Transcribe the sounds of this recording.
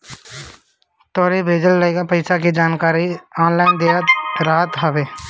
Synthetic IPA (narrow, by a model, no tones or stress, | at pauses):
t̪ɔːɾibʱeːd͡ʒəlːəeːɡapɐɪsakid͡ʒaːnkaːɾiɔːnlaːɪnd̪eːat̪ɾaːt̪ɦəʋeː